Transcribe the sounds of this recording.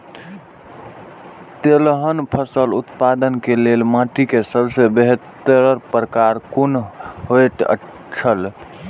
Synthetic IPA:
t̪elɦənpʰəsəlut̪pad̪ənkelelmãʈikesəbsəbeɦet̪ːəɾəɾpɾəkaɾkunɦojt̪ə̰ | t͡ʃʰəl

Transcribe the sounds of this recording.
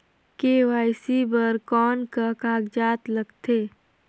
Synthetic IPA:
keʋaːɪsibəɾkɔːnkakaːɡd͡ʒaːt̪lɐɡt̪eː

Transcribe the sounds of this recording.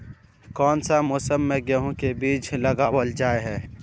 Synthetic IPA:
kɔːnsamoːsəmːẽɡəɦõkebiːt͡ʃlɐɡaːwəld͡ʒaːeɦɛː

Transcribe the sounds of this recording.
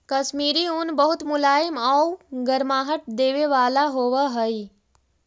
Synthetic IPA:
kɐsmiːɾiunbəɦut̪mulaːjimawɡəɾmaːɦəʈ̚d̪eːʋeʋaːlaɦoːʋəɦəi

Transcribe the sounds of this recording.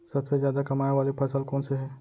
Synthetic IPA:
sɐbsezjaːd̪akɐmaːeʋaːlipʰɐsəlkɔːnseɦɛː

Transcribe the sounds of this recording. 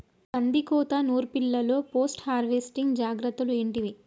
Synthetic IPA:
k̪ɐnd̪ikuːt̪ɐnuːɾupilːɐlo̞ːpo̞ːsʈhaːɾʋeːsʈiŋɡd͡ʒaːɡɾɐt̪ːulue̞ːɳʈiʋi

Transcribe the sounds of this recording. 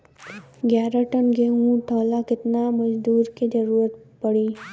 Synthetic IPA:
ɡjaːɾaʈənɡeɦũt̪ʰɔːlakɪt̪namɐd͡ʒd̪uːɾkid͡ʒɐɾuːɾət̪ | pɐɽiː

